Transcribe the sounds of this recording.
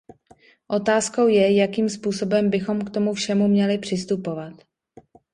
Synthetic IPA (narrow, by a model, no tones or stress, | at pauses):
ʔo̞t̪aːsko̞wjɛjakiːmspuːso̞bɛmbɪxo̞mkt̪o̞mufʃɛmumɲɛlɪpr̝̥ɪst̪upovat̪